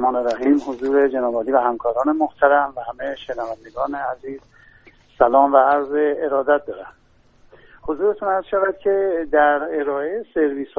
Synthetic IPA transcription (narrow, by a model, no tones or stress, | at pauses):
mɒːneɾæɦiːmhozuːɾe̞d͡ʒenɒːbɒːd̪iːvæhæmkʰɒːɾɒːnemoht̪ʰæɾæmvæhæme̞ʃenævænd̪eɡɒːneæziːz | sælɒːmvææɾzeːɾɒːd̪æt̪̚d̪ɒːɾæm | hozuːɾe̞t̪ʰunæzʃævæd̪̥̚cʲʰe̞d̪æɾe̞ɾɒːejeseɾviːs